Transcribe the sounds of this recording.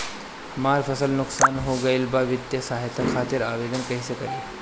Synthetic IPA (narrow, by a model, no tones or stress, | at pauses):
maːɾfʰɐsəlnʊksaːnɦoːɡɐilbaːʋɪd̪jɐsaːɦjt̪ʰakʰaːt̪iɾaːʋeːd̪ənkɐjsekɐɾiː